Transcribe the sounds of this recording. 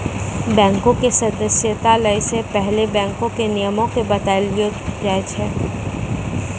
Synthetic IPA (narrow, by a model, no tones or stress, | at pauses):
bɛ̃ːŋkõkesɐd̪əsjət̪aləɪsepɛɦlebɛ̃ːŋkõkenɪjəmõkebɐt̪alijod͡ʒaːjt͡ʃʰɛː